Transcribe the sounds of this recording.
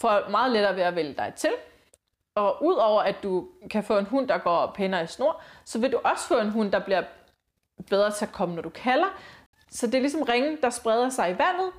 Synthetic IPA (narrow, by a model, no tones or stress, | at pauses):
fɒmɑ̈ːð̞̩ˠleɾ̥ɐːʋe̝æʋeljəd̥ɑ̈ɪt͡sʰe̝l | ɒ̽ʔuð̞̰ˠɒʊ̰ɐʔæd̥ukʰæfɔ̰̽ːe̝nɦun̰d̥ɑ̈ɡ̥ɒ̰ːpʰenɐisno̝ɐ̰sɒ̽ʋe̝d̥uʔɒ̽sə̥fɔ̰̽ːe̝nɦun̰d̥ɑ̈b̥liɐ | b̥eð̞ˠʁɐːt͡sʰe̝ækʰɒ̽mənɒd̥ukʰælɐ | sɒ̽d̥e̝ɐlis̬ɒ̽mʁeŋn̩d̥ɑ̈sb̥ʁɛð̞ˠɐsɑ̈ɪiʋæn̰ð̩ˠ